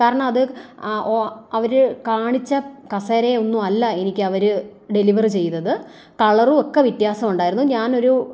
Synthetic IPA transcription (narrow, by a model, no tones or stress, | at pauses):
kaːɾɐɳɐmɐðɨ | ɐʋɐɾɨkaːɳit͡ɕːɐkɐsɐːɾe̞o̞nːumɐlːɐe̞nikʲːɨɐʋɐɾɨɖe̞liʋɐrt͡ɕe̞jnːɐðɨ | kɐɭɐrɨo̞kːeʋit̪jaːsɐmuɳɖaːjiɾunːuɲaːno̞ɾu